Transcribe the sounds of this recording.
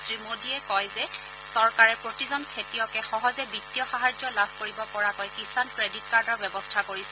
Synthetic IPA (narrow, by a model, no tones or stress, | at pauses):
sɹimodiɛkɔjzɛ | sɔɹkaɹɛpɹotizɔnkʰetijɔkɛxɔɦɔzɛbitːiɔxaɦad͡ʒɔlabʱkoɹibɔpɔɹakɔjkisankɹeditkaɹdɔɹbjɛbɔstʰakoɹisɛ